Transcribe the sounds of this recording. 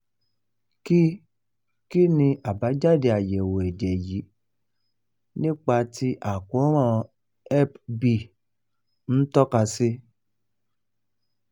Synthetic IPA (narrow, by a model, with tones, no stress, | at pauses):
ki˦ | ki˦nĩ˧ʔa˨ba˨˦d͡ʒa˦˨de˧a˨jɛ˨wo˨ɛ˨dɛ˨ji˨˦ | nĩ˦k͡pa˧ti˦ʔa˨ku˨˦ɾ̃ã˦ | ɛ˦pbi˦˨ | n̩˦tɔ˦ka˧si˦